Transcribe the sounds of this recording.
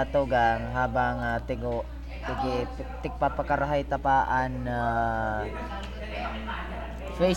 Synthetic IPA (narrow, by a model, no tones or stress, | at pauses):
t̪oɡaŋɦaːbaŋat̪ɪɡoʔ | t̪ɪkɪ | t̪ɪk̚papakaɾaɦajt̪apaːʔana | fe